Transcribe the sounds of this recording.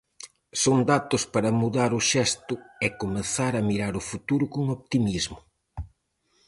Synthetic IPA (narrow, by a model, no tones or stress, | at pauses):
soŋd̪at̪ʊspɐɾɐmuðaɾʊʃɛst̪ʊɛkomeθaɾɐmiɾaɾʊfut̪uɾʊkoŋop̚t̪imizmʊ